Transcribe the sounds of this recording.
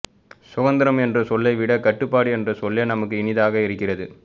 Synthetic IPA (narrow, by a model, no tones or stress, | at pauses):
sʊɣɐnd̪ɪɾɐmɛndrɐsɔlːɐɪʋɪɽɐkɐʈːɯpːaːɽɯɛndrɐsɔlːɐnɐmɐkːɯɪnɪðaːɣɐɪɾɯkːɪrɐðɯ